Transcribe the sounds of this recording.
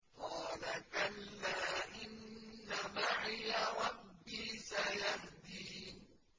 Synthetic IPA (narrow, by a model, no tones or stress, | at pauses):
hɔːlakalːaːʔɪnːamaʕjaɾˤɑbːiːsajahd̪iː